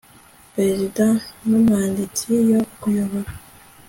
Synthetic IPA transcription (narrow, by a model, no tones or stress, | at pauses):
pɾezidãnumaːnditʰijokujoβoɾa